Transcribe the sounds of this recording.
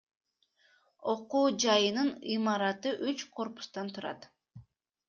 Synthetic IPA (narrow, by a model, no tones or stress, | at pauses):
o̞quːd͡ʒɑjɯnɯnimɑɾɑt̪ɯʔyt͡ʃqʰo̞ɾpu̥st̪ɑnt̪ʰuɾɑ̰t̪